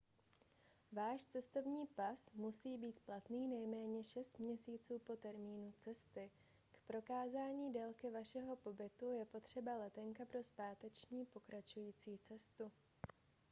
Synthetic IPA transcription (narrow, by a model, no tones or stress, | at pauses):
vaːʃt͡sɛst̪o̞vɲiːpasmusiːbiːt̪plat̪niːnɛjmɛːɲɛʃɛst̪mɲɛsiːt͡suːpo̞t̪ɛɾmiːnut͡sɛst̪ɪ | kpɾo̞kaːzaːɲiːdɛlkɪvaʃɛɦo̞po̞bɪt̪ujɛpo̞t̪r̝̥ɛbalɛt̪ɛŋkapɾo̞spaːt̪ɛt͡ʃɲiːpo̞kɾat͡ʃujiːt͡siːt͡sɛst̪u